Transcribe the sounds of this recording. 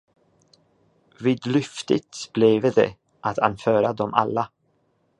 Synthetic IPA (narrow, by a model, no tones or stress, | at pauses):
viːd̪lʏft̪ət̪b̥lɛvd̪ɛ̰ | ʔat̪ʰa̰nfœːɾad̪ɔmʔa̰lːa